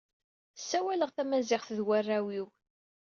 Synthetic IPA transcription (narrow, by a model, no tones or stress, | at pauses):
sːæwæləʁθæmæzɪχθðwərːæwiw